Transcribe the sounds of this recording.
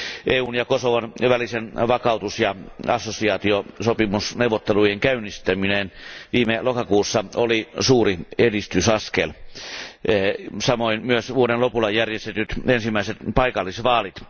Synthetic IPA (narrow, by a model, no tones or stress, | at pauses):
ʔeːuːnjɑkosoʋɑnʋælisenʋɑkɑut̪usjɑɑsːosiɑːt̪iosopimusneuwʋot̪ːelujeŋkæynist̪æminenʋiːmelokɑkuːsːɑolisuːriedist̪ysɑskḛl | sɑmoinmyøsʋuodenlopulːˑɑjærjest̪et̪yt̪ensimːˑæiset̪pɑikɑlːisʋɑːlit̪